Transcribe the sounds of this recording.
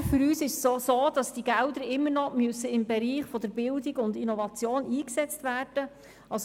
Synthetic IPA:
fʏɾyːsɪʃosoːd̥ɑsd̥iɡældəɾɪmːəɾnɔmøsəɪmbɛɾiːχfɔd̥əɾb̥ɪldiɡʊndinɔvɑt͡sjoːniːksɛt͡stvæːrd̥ə | ɑs

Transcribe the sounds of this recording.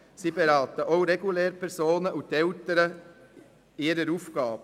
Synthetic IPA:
siːbeɾɑːt̪əʔoʊɾeɡulɛːɾəpʰɛɾsoːnəʔʊnt̪ɛlt̪əɾə | ɪːɾəɾuːfɡ̥ɑːb̥ə

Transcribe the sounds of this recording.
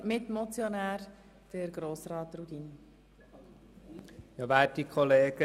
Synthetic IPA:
mɪtmɔt͡sjonæːɾ | d̥əɾɡɾoːsɾɑːt̪rud̥in | jɑʋæːd̥ikʰɔleːɡ̥ə

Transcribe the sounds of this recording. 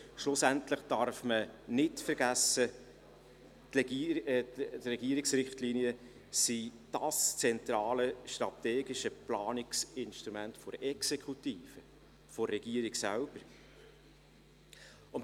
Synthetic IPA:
ʃlʊsæntləχd̥ɑɾfmənɪtfəɾɡæsə | rɛɡiəɾiksrɪχtliniə | sid̥ɑst͡sɛntɾɑːləʃtɾɑt̪eːɡiʃəplɑːnɪksɪnʃtɾumæntfɔɾɛksekʰutiːfə | fɔrːɛɡ̥iːəɾiɡsælb̥əɾ | ʊn

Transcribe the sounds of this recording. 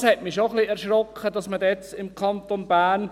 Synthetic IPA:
shɛtmiʃoχliɛɾʃɾɔkʰχəd̥ɑsmədɛt͡sɪmkʰɑnt̪onb̥æːn

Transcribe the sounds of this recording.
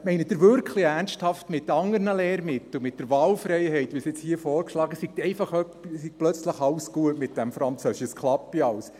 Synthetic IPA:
mɛɪnəd̥ɪɾvʏɾkχliærnsthɑftmɪtːɑŋəɾnəleːɾmɪt̪l̩ˠmɪt̚d̥əɾvɑːlfɾɛɪhɛɪtʋiːsɪt͡shiːəfɔːɾkʃlɑːɡəsiɡ̚tɛɪfɑχœpsik̚plœt͡sləχɑlsɡ̥uətmɪt̚d̥ɛmfɾɑnt͡sœːsɪʃskʰlɑpːiɑws

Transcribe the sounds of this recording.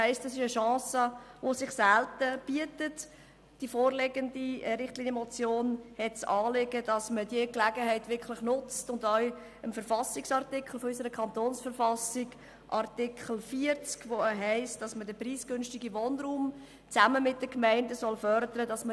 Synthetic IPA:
hɛɪst̚d̥ɑsɪʃəʃɑ̃ːsəʋosɪχsæltəb̥iətət | d̥ifoːrlɛɡəndiɾɪχtliːnjəmɔt͡sjoːnhɛtt͡sɑːleɡ̥əd̥ɑsmədiəklæɡəɦɛɪtʋɪkʰlɪχnʊt͡stʊndœɥ | əmfəɾfɑsɪksɑɾtɪkχl̩fɔysəɾəkʰɑntoːnsfəɾfɑsɪɡ | ʔɑrtɪkχl̩fiəɾt͡skʋoəɦɛɪstd̥ɑsmədəpriːsɡ̥ʏnʃtɪɡiʋoːnruːm | t͡sæməmɪt̚d̥əkmɛɪndəsɔlfœɾdəɾədɑsmə

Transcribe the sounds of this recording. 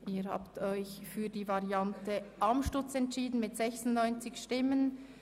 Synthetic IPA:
ʔiːɾha̰ːptʰɔʏçfyːdiːvaʁjɑntəʔamʃtʊt͡sɛntʃiːdn̩mɪtz̥ɛçsʊntnɔʏnt͡sɪçʃtɪmən

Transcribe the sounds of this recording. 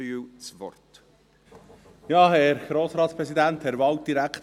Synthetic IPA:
ywt͡sʋɔ̰rt | jɑːhɛɾɡ̥ɾoːsɾɑːt̪spɾɛsid̪ænt̪hɛɾvɑwt̚d̥̪iɾækχt̪

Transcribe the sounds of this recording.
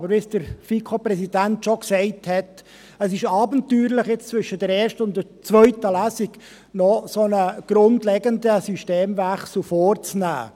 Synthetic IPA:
bəɾvɪsd̥əɾfikʰopɾɛsid̥æntʃoksɛɪthɛt | əsɪʃɑːbəntyːɾlɪχjɪt͡st͡svʏʃəd̥ɛɾɛːɾʃtəʊndət͡sʋœʏtəlæsɪɡ | nɔsonəɡ̥ɾʊndlɛɡəndəsyʃteːmvæχsl̩fɔːrt͡snæ̰ː

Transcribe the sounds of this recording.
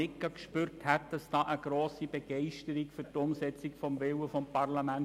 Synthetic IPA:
ɪkːɑkʃpyrthæt̚d̥ɑsd̥ɑːʔəɡ̥ɾoːsib̥eɡ̥ɛɪʃtəɾikfʏɾtʊmsɛt͡sikfɔmvɪwəfɔmpɑrlɑmæn

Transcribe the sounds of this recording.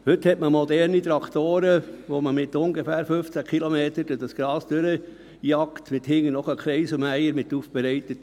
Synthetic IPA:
hʏthɛtməmɔd̪ɛɾnit̪ɾɑkʰt̪oːɾəʋoməmɪt̪ʊŋɡefæːɾføft͡sækʰilomeːtəɾd̥ʊd̥ɑsɡ̥ɾɑːsd̥øɾə | jɑktmɪt̪hɪŋənɔχəkʰlɛɪsəmæɪəɾmɪtːuːfb̥ɛɾɛɪt̪ət

